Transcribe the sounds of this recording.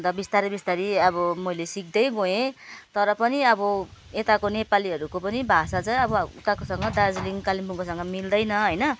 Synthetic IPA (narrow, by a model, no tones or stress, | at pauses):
nd̪abist̪aɾebist̪aɾiʌβʌmʌjlesik̚d̪ʌjɡoẽt̪ʌɾʌpʌniʌbʌet̪akonepaliɦʌɾukopʌnibʱasad͡zʌj̃ʌbʌṵt̪akosʌŋɡʌd̪ad͡zliŋkalimpuŋkosʌŋɡʌmild̪ʌjnʌɦʌjnʌ